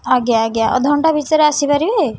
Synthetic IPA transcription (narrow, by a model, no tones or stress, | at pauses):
aɡjaːɡjaʔɔ̰d̪ʱɔɳʈabʱit͡ʃaɾeasibaɾibe